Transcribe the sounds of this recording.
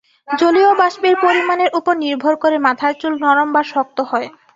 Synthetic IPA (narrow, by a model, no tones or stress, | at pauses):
d͡ʑoliobaʃbiɾpoɾimaneɾʔupoɾniɾbʱoɾkoɾemat̪ʰaɾt͡ɕulnɔɾombaɾʃɔk̚t̪ohɔe